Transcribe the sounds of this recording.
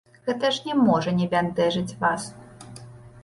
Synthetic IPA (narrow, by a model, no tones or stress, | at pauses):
ɣɛt̪ɐʂnʲɛmɔʐɐnʲɛbʲant̪ɛʐɨt͡sʲvas